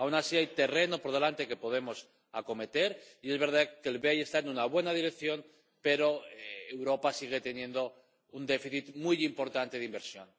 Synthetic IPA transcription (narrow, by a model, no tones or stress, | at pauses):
awnasiajt̪e̞re̞no̞po̞ɾðe̞lant̪e̞ke̞po̞ð̞e̞mo̞s | ako̞me̞t̪e̞ɾie̞zβe̞ɾð̞akelβeaje̞st̪aenunaβ̞we̞naðiɾe̞kθjo̞n | pe̞ɾo̞eewɾo̞pasiɣ̞e̞t̪e̞nje̞nd̪o̞ | und̪e̞fiθit̪mujimpo̞ɾt̪ant̪e̞ð̞imbe̞ɾsjo̞n